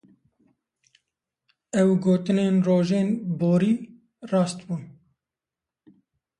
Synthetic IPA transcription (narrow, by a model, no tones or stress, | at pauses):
ɛwɡoːt̪ɨneːnroːʒeːnboːɾiː | rɑːst̪buːn